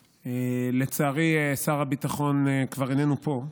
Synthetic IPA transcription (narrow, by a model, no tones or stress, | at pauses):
ele̞t͡saːʁiesaʁabit̪aχo̞nekvaʁinenupo̞